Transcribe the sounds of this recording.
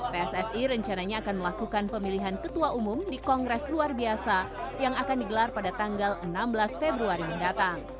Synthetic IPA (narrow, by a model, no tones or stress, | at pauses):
peɛsɛsiɾəɲt͡ʃanaɲaːkanməlakukanpəmiliɦankət̪uaʔumumdikɔŋɡɾɛsluarbiasa | jaŋakandiɡəlarpadat̪aŋɡalənambəlasfebɾuaɾiməndat̪aŋ